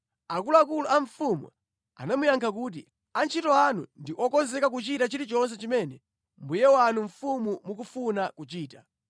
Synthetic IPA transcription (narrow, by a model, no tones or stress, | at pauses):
akulɔakulɔʔaɱfumwṵ | a̰namujaŋkʰak̬uːt̬ḭ | ant͡ʃʰitɔanṵndiʔɔkɔnzɛkak̬ut͡ʃitat͡ʃiɾit͡ʃɔns̬ɛt͡ʃimɛnɛ | mbujɛwanuɱ̩fumumuk̬ufunakut͡ʃiːta